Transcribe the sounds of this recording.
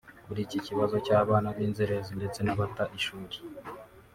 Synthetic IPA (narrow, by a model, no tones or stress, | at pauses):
kuɾiciciβazo̞caːβaːnaβiːnzeɾezinde̞t͡se̞naβataʔiʃuːɾi̥